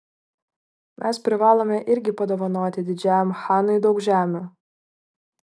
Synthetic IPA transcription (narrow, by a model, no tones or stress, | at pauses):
mʲʔɛspʲɾʲɪʋɑːlˠomʲɛʔɪɾʲɡʲɪpɐd̪oːʋɐnoːt̪ʲɪd̪ʲɪd͡ʒʲæːjɛmxɑːnʊɪd̪ɒʊkʒʲæːmʲuː